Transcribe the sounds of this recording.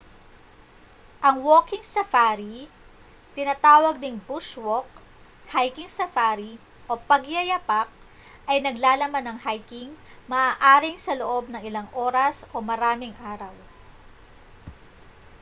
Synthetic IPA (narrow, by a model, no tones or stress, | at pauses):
ʔɐŋwo̞ːkɪŋsɐfaɾi | t̪ɪnɐt̪aːwɐɡ̚d̪ɪŋbuʃwok̚ | hajkɪŋsɐfaːɾi | ʔo̞pɐɡjɐjɐpak̚ | ʔɐjnɐɡlaːlɐmanːɐŋhajkɪŋmɐʔaːʔaːɾɪŋsɐloʔo̞b̚nɐŋɪlɐŋʔo̞ːɾɐsʔo̞mɐɾaːmɪŋʔaːɾɐw